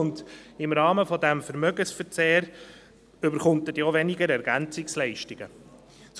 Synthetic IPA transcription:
ʊndɪmɾɑːməfɔdæmfəɾmœɡənsfəɾt͡seːɾ | ʏbəɾχʊntətjoʋɛnɪɡəɾɛɾɡænt͡sɪkslɛɪʃtɪɡ̥ə | s

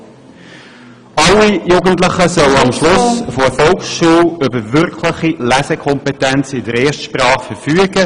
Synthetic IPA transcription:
ɑlːijuːɡəntləχəsœwɑmʃlʊsfoəfɔlksʃuːlʏbəvʏɾkʰlɪχilæsɛkʰɔmpɛtænt͡sɪdəɾeːʃtʃprɑːχfəʁfyːəɡ̥ə

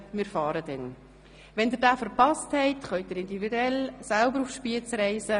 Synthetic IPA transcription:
mɪːɾfɑːɾədɛn | vɛndiːɾdaːfəɾpɑsthɛɪtχœʏt̚d̥əɾɪndividuɛlsalbəɾufʃpiət͡sɾɛɪsə

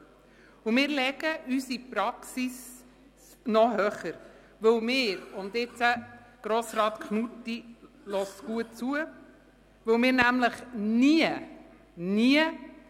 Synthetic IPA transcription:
umɪːɾlɛɡ̥əʔysipɾɑksis | nɔɦœχəɾ | ʋɵwmɪːɾʊnd̪ɪt͡sə | ɡ̥ɾɔsɾɑːt̪kχnutːi | lɔsɡ̥uət̚t͡suə | ʋɵwmɪːɾnæmləχniə | niə

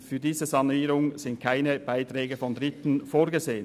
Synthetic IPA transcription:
fyːdiːzəzɑnuiːɾʊŋzɪnt̚kʰaɪnəb̥aɪt̪ʁɛːɡəfɔndʁɪt̪n̩foːɾɡəzeːən

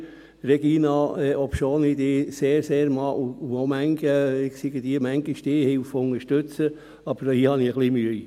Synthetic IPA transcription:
ɾɛɡ̥iːnɑɛʔɔpʃoːnid̪ɪːseːɾseːɾmɑʔuuomæŋɡəɪsiɡəd̥̪iəmæŋɡ̥ɪʃd̥̪ɪːhɪlfʊŋəʃtøt͡sə | ɑb̥əɾhihɑniəɡliːmyəi

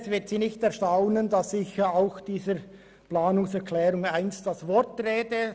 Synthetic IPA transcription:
svɪɐtsiːnɪçtɛʁʃtaʊnəndɑsɪçəaʊxd̥iːzəɾ | plaːnʊŋsɛɾkʰlɛːɾʊŋaɪnst̚d̥ɑsvɔtreːdə

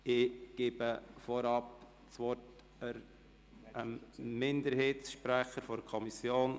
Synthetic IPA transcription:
ɪɡ̥eːbəfɔɾɑp | t͡sʋɔt | əɾ | əmɪndəɾheːtsʃpɾæχəɾfɔɾkʰɔmisjoːn

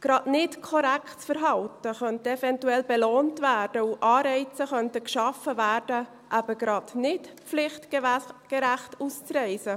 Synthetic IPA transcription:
ɡ̥ɾɑdnɪtkʰɔɾæktt͡sfəɾɦɑltəχœntəɛvɛntuɛlbɛloːntvæːɾd̥əuʔɑːɾɛɪt͡səχœntəkʃɑfəvæːrdə | ʔæb̥əɡ̥ɾɑdnɪtp͡flɪχtɡ̥əɾæχtust͡srɛɪsə

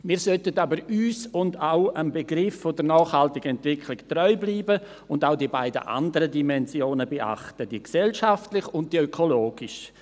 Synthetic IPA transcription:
miːɾsœtətabəɾyːsʊndaʊənbeɡɾɪfːodəɾnɔːχhaltɪɡəɛntv̥ɪkʰlɪktrɔʏbliːbə | ʊndaʊdiəbaɪdə̰ʔa̰ndəɾədimɛnzjoːnəbeʔa̰χtəd̥iksɛlʃaftlɪχʊnt̚d̥iøkʰoloːɡ̥iʃ

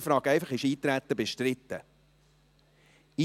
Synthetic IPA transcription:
fɾɑːɡɛɪfɑχɪʃiːt̪ɾæt̪ːəbeʃtrɪt̪ːə | i

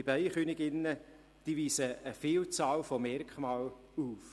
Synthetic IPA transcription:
ibæɪχyːnɪɡɪnːə | d̥iviːsəːfiːlt͡sɑːlfɔmɛɾkχmɑːl | uf

